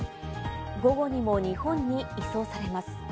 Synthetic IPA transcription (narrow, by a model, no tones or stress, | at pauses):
ɡo̞ɡo̞ɲ̟imo̞ɲ̟ihõ̞ɲ̟ːiːso̞ːsaɾe̞masɨ̥